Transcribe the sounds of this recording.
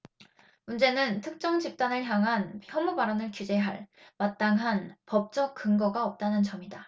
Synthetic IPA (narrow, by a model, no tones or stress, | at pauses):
mund͡ʑe̞nɯntʰɯk̚t͡ɕ͈ʌŋd͡ʑip̚t͈anɯɭçjaŋɦançjʌmubaɾʌnɯɭkjud͡ʑe̞ɦaɭmat̚t͈aŋɦanpʌp̚t͡ɕ͈ʌk̚k͈ɯŋɡʌɡaʌp̚t͈anɯnt͡ɕʌmida